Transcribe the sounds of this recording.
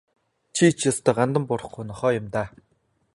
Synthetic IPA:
t͡ɕʰit͡ɕʰjast̪ɔ̆ːɢant̪ə̆mpʊɾə̆χɡujnɔχɔːjʊmt̪aː

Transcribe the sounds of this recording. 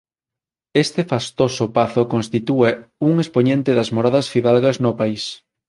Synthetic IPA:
est̪efast̪osʊpaθokonst̪it̪ueuŋespoɲẽnt̪ɪðɐzmoɾaðɐsfiðalɣɐznʊpais

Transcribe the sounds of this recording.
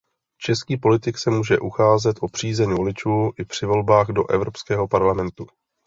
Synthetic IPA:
t͡ʃɛskiːpo̞lɪt̪ɪksɛmuːʒɛʔuxaːzɛt̪ʔopr̝̥iːzɛɲvo̞lɪt͡ʃuːʔɪpr̝̥ɪvo̞lbaːɣdo̞ʔɛvɾo̞pskɛːɦo̞paɾlamɛnt̪u

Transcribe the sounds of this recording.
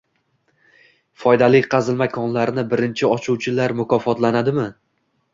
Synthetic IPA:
fɒjd̪alɪkqʰɑzɪlmakʰɒnlaɾnɪbɪɾɪnt͡ʃʰɪɒt͡ʃʰuwt͡ʃʰɪlaɾmʊkʰɒfɒt̪lanad̪ɪmɪ

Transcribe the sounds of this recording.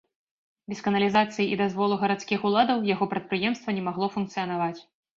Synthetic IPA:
bʲɛskɐnɐlʲizat̪sɨjiid̪azvɔlˠuɣɐɾat̪skʲixulˠad̪ɐwjaɣɔpɾɐt̪̚pɾɨjɛmst̪vɐnʲɛmaɣlˠɔfunkt̪sɨjɐnavat͡sʲ

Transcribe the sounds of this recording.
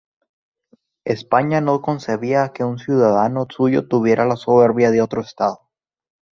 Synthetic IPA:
espaɲano̞ko̞nse̞βiake̞unsjuðaðano̞suʝo̞̰t̪uβje̞ɾʔalaso̞βe̞ɾβjaðeo̞t̪ɾoest̪aðo

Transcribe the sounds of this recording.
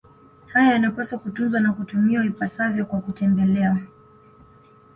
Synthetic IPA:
hajajanapasakutunzwanakutumiwavipasavjɔkwakutɛmbɛlɛa

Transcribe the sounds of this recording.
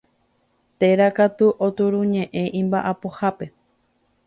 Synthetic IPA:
t̪e̞ɾakat̪uʔot̪uɾũɲẽ̞ʔẽ̞ʔĩmbaʔapohape̞

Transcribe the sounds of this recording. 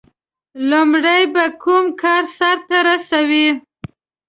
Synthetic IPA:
lumɽajbakumkɑɾsaɾt̪aɾasawi

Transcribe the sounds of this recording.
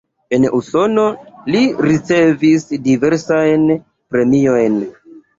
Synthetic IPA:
e̞nuso̞no̞liɾit͡se̞visdive̞ɾsajn | pɾe̞mio̞jn

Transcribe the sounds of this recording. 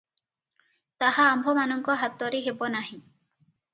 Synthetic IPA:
t̪aɦaːmbʱɔmanɔŋkɔɦat̪ːɔɾeɦebɔnaɦĩ

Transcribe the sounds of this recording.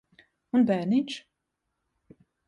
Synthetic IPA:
unbæːɾnit͡ʃ

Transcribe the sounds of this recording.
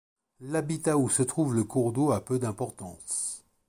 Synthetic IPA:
labit̪ausət̪χuvləkuʁd̪oapød̪ɛ̃pɔʁt̪ɑ̰̃s

